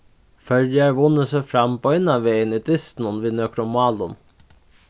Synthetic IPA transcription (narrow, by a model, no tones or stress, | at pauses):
fœlæɹʋʊnəsefɾɑmpoːɪnɑʋejəniːt̪ʰɪst̪n̩ɔnʋiːnøkʰɾʊmɑːlʊn